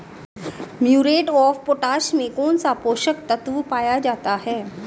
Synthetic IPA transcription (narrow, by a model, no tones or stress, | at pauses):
mjuɾeʈɔfpoʈaɕmekont͡sapoɕək̚t̪ət̪ʋupajad͡ʑat̪aɦɛ